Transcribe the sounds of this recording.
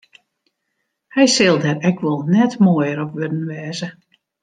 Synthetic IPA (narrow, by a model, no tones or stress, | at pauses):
hɛjsɪlˠdɛrɛkʰʋɔlˠnɛtmoəjəɾɔpʋødən̩ʋɛːzə